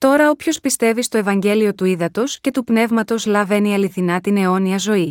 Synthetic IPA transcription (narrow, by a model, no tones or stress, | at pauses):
t̪o̞ɾɐo̞pço̞spist̪e̞vist̪o̞e̞vɐɲɟe̞lio̞t̪uiðɐt̪o̞sce̞t̪upne̞vmɐt̪o̞zlɐve̞niɐliθinɐt̪ine̞o̞niɐzo̞i